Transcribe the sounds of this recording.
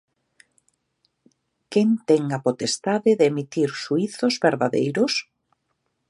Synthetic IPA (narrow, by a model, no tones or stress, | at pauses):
keŋt̪ɛŋapot̪est̪aðɪðeemit̪iɾʃuiθozβeɾðaðejɾʊs